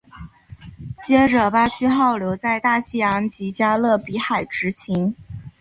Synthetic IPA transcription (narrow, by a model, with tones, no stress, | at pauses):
t͡ɕjɛ˥ʈ͡ʂɤ˨˩pa˥t͡ɕʰy˥xɑ˥˩ʊljo˧˥ʊt͡sa˥˧ɪt̪a˥˩ɕi˥˩jɑ˧˥ŋt͡ɕi˧˥t͡ɕja˥lɤ˥˩pi˧˥xa˨˩ɪʈ͡ʂɻ̩˧˥t͡ɕʰi˧˥ŋ